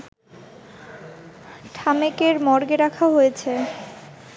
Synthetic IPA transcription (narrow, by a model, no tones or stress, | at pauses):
ʈʰamekeɾmɔɾɡeɾakʰaɦojet͡ɕʰe